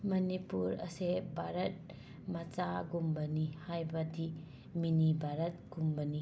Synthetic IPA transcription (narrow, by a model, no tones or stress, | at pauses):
mɐnipuɾɐ̰sebʱaɾɐt̚ | mat͡ʃaɡumbɐnihajbɐdi | minibʱaɾɐt̚ɡ̥umbɐni